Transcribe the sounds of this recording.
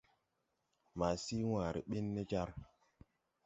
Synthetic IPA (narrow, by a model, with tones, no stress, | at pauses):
ma˨si˦wa˨ɾḭ˨ɓi˦nːe˦d͡ʒa˦ɾ